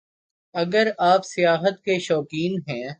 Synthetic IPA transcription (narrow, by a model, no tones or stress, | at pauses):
ɐɡəɾaːpsɪjaːɦət̪̚keʃɔːkiːnɦɛ̃ː